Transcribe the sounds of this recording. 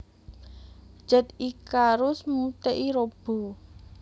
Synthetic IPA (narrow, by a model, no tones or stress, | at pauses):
d͡ʒ̥ət̪ikaɾʊsmut̪eʔiɾob̥o̤